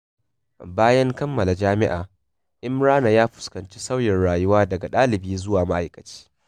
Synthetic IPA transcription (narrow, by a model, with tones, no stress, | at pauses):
baː˦jɐ˦ŋkɐ˦mːɐ˨la˨d͡ʒaː˦mɪ˦ʔa̰ː˨ | ʔɪ˦mɾaː˦na˨jaː˦ɸʊ̥˨skɐ˨nt͡ʃi˦sa˦wjɛ˨nɽaː˨jʊ˦waː˦dɐ˨ɡa˨ɗaː˦lɪ˨biː˦zʊ˦waː˨ma˦ʔa˨jkɐ˨t͡ʃi̥ː˦